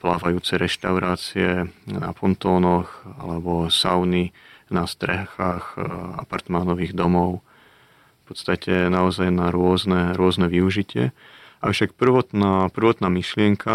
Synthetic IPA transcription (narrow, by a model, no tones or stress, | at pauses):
plaːʋajuːt͡sɛɾɛʃt̪aʊɾaːt͡siɛna̰fɔnt̪ɔːnɔxa̰lɛbɔsaʊninast̪ɾɛxaːxa̰paɾt̪manɔʋiːɣd̪ɔmɔʊ | pɔt̪st̪acʰɛnaɔzajnaɾʊɔznɛɾʊɔznɛʋiuʒicɪɛ̰ | ʔaʊʃakpr̩ʋɔt̪napr̩ʋɔt̪naːmiʃlɪɛŋkʰa